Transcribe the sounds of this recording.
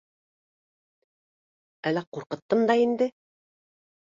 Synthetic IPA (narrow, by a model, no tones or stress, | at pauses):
ælːæquɾqɤ̆t̪ːɤmd̪ɑind̪ɘ